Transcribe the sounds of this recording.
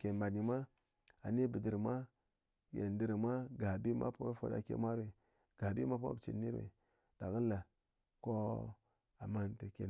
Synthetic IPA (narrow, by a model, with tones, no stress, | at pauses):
ke˨ma˨ni˨ma˦ | a˨ne˦bə˨də˨ɾma˦ | jḛ˨ndi˦ɾmʷa˦ɡa˨bi˦ma̰˦pu˦a˦fo̰˨da̰˨kḛ˨ma˦ɾe˨ | ɡ̥a˨bi˦ma˦pu˦a̰˦bt͡ʃḛ˨ni˦ɾḛ˨ | d̥a˨ɣə˦la˨ | ko˦ | a˨ma˦ntə˨kḛ˨